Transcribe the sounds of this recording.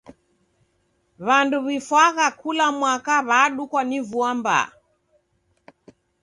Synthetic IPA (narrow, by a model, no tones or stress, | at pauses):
βanduβifwaɣakulamwakaβaɗukwanivuamba̰